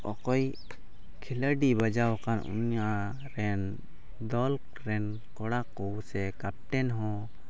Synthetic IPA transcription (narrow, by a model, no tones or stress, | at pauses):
ɔkɔj | kʰiləɖibad͡ʒawkanʔṵnjaʔ | ɾɛn | d̪ɔl | ɾɛn | kɔɽakuwsɛkap̚ʈɛnɦɔ̃